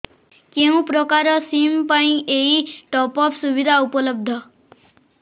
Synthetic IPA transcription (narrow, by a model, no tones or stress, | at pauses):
keũpɾɔkaɾɔsimpaĩʔeiʈɔpɔpʰsuʋid̪ʱaupɔlɔb̚d̪ʱɔ